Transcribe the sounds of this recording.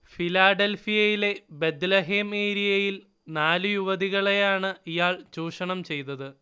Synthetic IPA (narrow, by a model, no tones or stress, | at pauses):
filaːɖelfijɐjile̞be̞d̪lɐɦemeːɾijɐjil | naːlɨjuʋɐðiɣɐɭe̞jaːɳɨijaːɭt͡ɕuːʂɐɳɐmt͡ɕe̞jt̪ɐðɨ